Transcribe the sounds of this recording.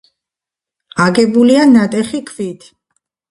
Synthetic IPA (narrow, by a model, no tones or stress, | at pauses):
aɡɛbulianat̪ʼɛχikʰvit̪ʰ